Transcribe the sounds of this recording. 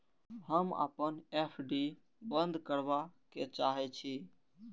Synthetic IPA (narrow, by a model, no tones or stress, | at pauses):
ɦəmə̰pənepʰɖi | bənd̪kəɾbaket͡ʃaɦɛt͡ʃʰi